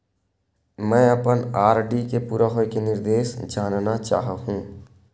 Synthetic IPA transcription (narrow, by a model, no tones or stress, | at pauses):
mɛ̃ːəpənaːɾɖikepuːɾaɦoːikenɪɾd̪eːsd͡ʒaːnnat͡ʃa̰ːɦɦũː